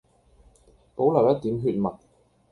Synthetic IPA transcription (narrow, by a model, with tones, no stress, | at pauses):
po˨˥wlɐ˨˩wjɐ˥t̚t̪iː˨˥mɦyː˧t̚mɐ˨˩t̚